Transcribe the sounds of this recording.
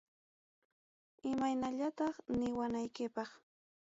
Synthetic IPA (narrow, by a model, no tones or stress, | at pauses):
ɪmajnaʎat̪ɑχnɪwanajkɪpɑχ